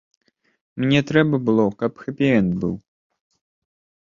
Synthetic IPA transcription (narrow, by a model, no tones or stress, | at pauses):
mnʲɛt̪ɾɛbɐbɨlˠɔkɐpxɐpʲiɛnbɨ̰w